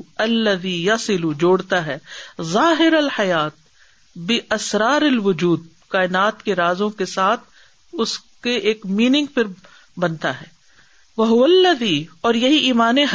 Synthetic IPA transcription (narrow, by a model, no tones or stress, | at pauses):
ɐlːɐðiːjɐsɪlud͡ʒoːɽt̪aɦɛːzaːɦɪɾɐlħɐjaːt̪̚ | bɪʔɐsɾaːɾɐlʋʊd͡ʒuːd̪̚ | kaːɪnaːt̪keɾaːzõkesaːt̪ʰ | ʊskeʔeːkmiːnɪ̃ŋɡpʰɪɾ | bɐnt̪aɦɛː | ʋɐɦʊʋɐlːɐðiːɔːɾjɐɦiʔiːmaːnẽɦ